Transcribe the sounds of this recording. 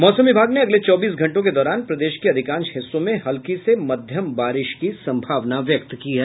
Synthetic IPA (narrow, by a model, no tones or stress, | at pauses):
mɔːsəmʋɪbʱaːɡneɐɡlet͡ʃɔːbiːs̬ɡʱɐ̃ɳʈõked̪ɔːɾaːnpɾɐd̪eːʃkeɐd̪ʱɪkãːnʃɦɪsːõmẽɦɐlkisemɐd̪ʱjəmbaːɾɪʃkisɐ̃mbʱaːʋnaʋjɐk̚t̪kiɦɛː